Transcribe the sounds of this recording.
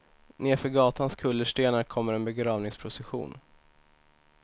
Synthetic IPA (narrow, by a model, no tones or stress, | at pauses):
neːɾfœɾɡɑːt̪ʰanskʰɵlːəʂʈeːnaɾkʰɔmːəɾɛnbɛɡɾɑːvnɪŋspʰɾʊsɛɧṵːn